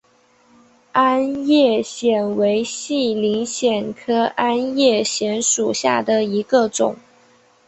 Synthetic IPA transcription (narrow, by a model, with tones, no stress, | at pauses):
a˥njɛ˥˩ɕjɛ˨˩nwe˧˥ɪɕi˥˩li˧˥ŋɕjɛ˨˩nkʰɤ˥ʔa˥njɛ˥˩ɕjɛ˧˥nʂu˨˩ɕja˥˩d̪ə˩i˧˥ɡə˧ʈ͡ʂʊ̰˨˩˦ŋ